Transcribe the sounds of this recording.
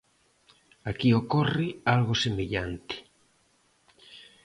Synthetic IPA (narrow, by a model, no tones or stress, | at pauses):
akiokorɪalɣosemeʎant̪ɪ̥